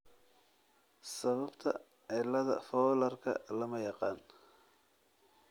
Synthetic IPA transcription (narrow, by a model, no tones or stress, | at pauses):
sɐβɐbt̪ʰɐ̰ | ʕɪlːɐðɐ̰fɔːlɐrkʰɐ̰lɐmɐjɑqɑːn